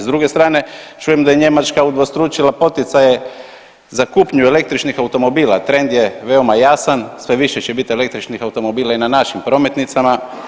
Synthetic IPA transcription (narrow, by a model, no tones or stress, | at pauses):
zd̪ɾuɡest̪ɾaːne̞t͡ʃujemd̪ajeɲe̞mat͡ʃkaud̪ʋost̪ɾut͡ʃilapo̞t̪it̪saje̞ | zakupɲuele̞k̚t̪ɾit͡ʃnixawt̪o̞mo̞biːlat̪ɾe̞nd̪jeʋe̞omajasansʋe̞ʋiʃet͡ɕebit̪e̞le̞k̚t̪ɾit͡ʃnixawt̪o̞mo̞biːlainanaʃimpɾo̞me̞t̪nit̪sama